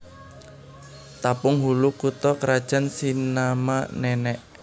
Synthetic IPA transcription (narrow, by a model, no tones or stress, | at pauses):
t̪apʊŋɦulukut̪ɔkəɾad̥ʒ̥a̤nsinamanɛnɛʔ